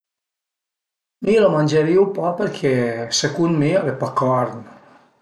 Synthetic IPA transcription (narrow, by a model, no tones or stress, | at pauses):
milomanʲd͡ʒaɾiupɔpəɾkʰɛsekunmiavepakɔɾn